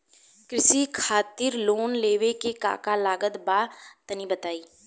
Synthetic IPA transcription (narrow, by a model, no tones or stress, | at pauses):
kɾɪsikʰaːt̪ɪɾloːnleːʋekeka̰ːkalaːɡət̪baːt̪ənibət̪aːiː